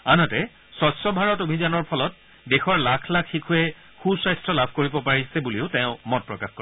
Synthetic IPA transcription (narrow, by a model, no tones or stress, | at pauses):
anɔtɛ | sɔsɔbʱaɹɔtobʱizanɔɹpʰɔlɔt̚ | dexɔɹlakʰlakʰxikʰuɛ | xusajstɹɔlabʱkoɹibɔpaɹisɛbuliʊtẽʊ̃mɔt̚pɹɔkaxko